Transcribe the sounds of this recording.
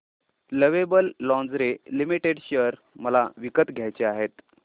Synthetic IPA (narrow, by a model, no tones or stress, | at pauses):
ləʋebəlːɔ̃nd͡zɾelimiʈeɽɕəɾ | məlaʋikət̪ɡʱjajt͡ɕeaɦet̪